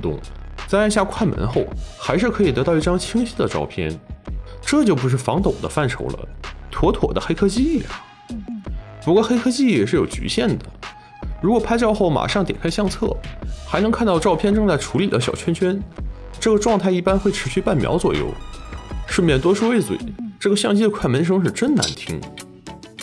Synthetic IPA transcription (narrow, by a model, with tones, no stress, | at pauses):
t̪ʊ̰˥˧ŋt͡sa˥a˥˧nɕja˥˧kʰwa˥˩nmə̰˧˥nxo˥˩ʊxa˧˥ɪʂɻ̩˥˩kʰɤ˧˥i˨˩t̪ɤ˧˥t̪ɑ˥˧ʊi˥˩ʈ͡ʂɑ˥ŋt͡ɕʰi˥ŋɕi˥d̪ə˨ʈ͡ʂɑ̰˥˧ʊpʰjɛ̰˥˩nʈ͡ʂɤ˥˩t͡ɕjo˥˩ʊpu˧˥ʂ̬ɻ̩˥˩fɑ˧˥ŋt̪o˨˩ʊd̪ə̰˦fa˥˩nʈ͡ʂʰo˧˥ʊlə̰˧t̪ʰwɔ˧˥t̪ʰwɔ̰˨˩d̪ə˦xe˥ɪkʰɤ˥t͡ɕi˥i˥˩˨ | pu˧˥kwɔ˥˩xe˥ɪkʰɤ˥t͡ɕi˥˩jɛ˨˩ʂɻ̩˥˩jo˨˩ʊt͡ɕy̰˧˥ɕjɛ˥˩nd̪ə˩ | ɻu˧˥kwɔ˨˩pʰa˥ɪt͡ɕjɑ˥˧ʊxo˥˩ʊma̰˨˩ʂɑ˥˩ŋt̪jɛ̰˨˩nkʰɪɕjɑ˥˧ŋt͡sʰɤ̰˥˩xa˧˥ɪnɤ˧˥ŋkʰa˥˧nt̪ɑ˥˧ʊʈ͡ʂɑ˥˧ʊpʰjɛ˥˧nʈ͡ʂɤ˥˧ŋt͡sa˥˩ɪʈ͡ʂʰu˧˥li˨˩lə˦ɕjɑ˨˩ʊt͡ɕʰɥɛ˥nt͡ɕʰɥɛ˥nʈ͡ʂɤ˥˩ɡə˩ʈ͡ʂwɑ˥˧ŋt̪ʰa˥˧ɪi˥˩pa˥nxwɪʈ͡ʂʰɻ̩˧˥ɕy˥˧pa˥˩nmjɑ̰˧˥ʊt͡swɔ˨˩jo̰˥˧ʊʂɻ̩˥˧mjɛ˥˩nt̪̬wɔ˥ʂu˥we˥˩ɪt͡swḛ˨˩ɪʈ͡ʂɤ˥˩ɡə˩ɕjɑ˥˧ŋt͡ɕi˥ə˧kʰwa˥˩mə˧˥nʂ̬ɤ˥ŋʂ̬ɻ̩˥˧ʈ͡ʂə˥nna̰˧˥nt̪ʰi˧˥ŋ